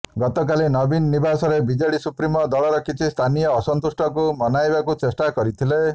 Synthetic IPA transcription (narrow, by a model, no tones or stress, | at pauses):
ɡɔt̪ɔkalinɔbinːibasɔɾebid͡ʒeɽisupɾimɔd̪ɔɭɔɾɔkʰit͡ʃʰist̪ʰanijɔːsɔnt̪usʈʰɔkumɔnajbakut͡ʃesʈakɔɾit̪ʰile